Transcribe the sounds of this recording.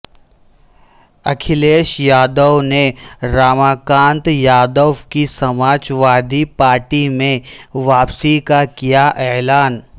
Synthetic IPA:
ɐkʰɪleːʃjaːd̪əʋneɾaːmaːkãːnt̪jaːd̪əʋkisɐmaːd͡ʒʋaːd̪ʱipaːɾʈimẽʋaːpsikakijaʔeːlaːn

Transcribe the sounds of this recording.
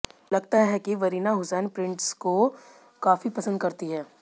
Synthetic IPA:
lɐɡ̚t̪aɦɛkiʋɐɾiːnaɦʊsɛːnpɾɪ̃ɳʈsko | kaːfipɐsə̃nd̪̚kɐɾt̪iɦɛː

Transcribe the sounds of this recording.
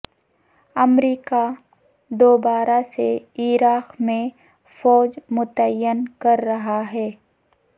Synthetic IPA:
ɐmɾiːka | d̪oːbaːɾaseiːɾaːqmẽ | fɔːd͡ʒmʊt̪əjːənkɐɾːɐɦaɦɛː

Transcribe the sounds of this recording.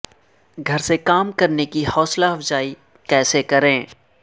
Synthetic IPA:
ɡʱɐɾsekaːmkɐɾnekihɔːslaɦɐfzaːi | kɛːsekɐɾẽː

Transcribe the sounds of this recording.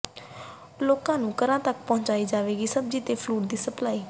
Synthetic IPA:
loːkãːnũːkəɾãːt̪əkpɔ̃ːɲt͡ʃaːiːd͡ʒaːʋeːɡiːsəb̚d͡ʒiːt̪eːpʰluːʈd̪iːsəplaːiː

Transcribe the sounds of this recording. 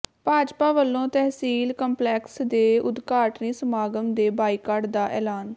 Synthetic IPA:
paːd͡ʒpaːʋəlːõːt̪ɛɦsiːlkəmplɛːksd̪eːʊd̪kaːʈniːsəmaːɡəmd̪eːbaːiːkaːɖd̪aːʔɛːlaːn

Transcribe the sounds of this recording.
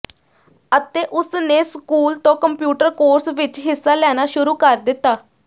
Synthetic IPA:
ət̪eːʔʊsneːskuːlt̪õːkəmpjuːʈəɾkoːɾsʋɪt͡ʃɦɪsːaːlɛːnaːʃʊɾuːkəɾd̪ɪt̪ːaː

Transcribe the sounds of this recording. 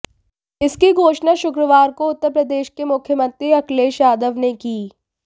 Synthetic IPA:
ɪskiɡʱoːt͡ʃnaʃʊkɾəʋaːɾkoʊt̪ːəɾpɾəd̪eːʃkemʊkʰjəmə̃nt̪ɾiɐkleːʃjaːd̪əʋnekiː

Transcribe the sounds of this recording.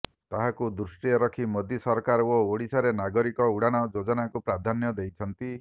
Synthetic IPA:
t̪aɦakud̪ɾusʈijɔɾɔkʰimɔd̪isɔɾkaɾooɽisaɾenaɡɔɾikɔuɽaɽ̃ɔd͡ʒod͡ʒɔnakupɾad̪ʱanjɔd̪ejt͡ʃʰɔnt̪i

